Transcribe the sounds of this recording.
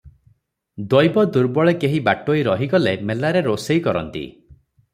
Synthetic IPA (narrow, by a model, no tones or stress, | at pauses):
d̪ɔjbɔd̪uɾbɔɭekeɦibaʈoiɾɔɦiɡɔlemelaɾeɾosejkɔɾɔ̰nt̪ḭ